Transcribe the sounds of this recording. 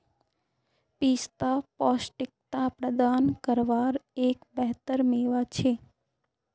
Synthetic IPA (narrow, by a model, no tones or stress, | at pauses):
piːst̪apɔːsʈɪk̚t̪apɾəd̪ankəɾʋaɾekbəɦt̪əɾmeːʋat͡ʃʰe